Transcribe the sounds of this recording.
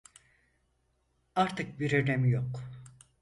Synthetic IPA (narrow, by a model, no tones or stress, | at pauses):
aɾt̪ʰɯk̚biɾeɾɛmjok